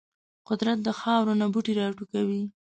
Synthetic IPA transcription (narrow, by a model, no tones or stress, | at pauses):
qʊd̪ɾat̪̚d̪əxɑwɾonabuʈiɾɑʈukawi